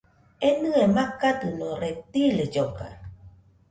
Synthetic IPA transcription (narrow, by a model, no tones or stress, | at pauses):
enɨ̃emakat̪ɨnõɾet̪iled͡ʒoka̰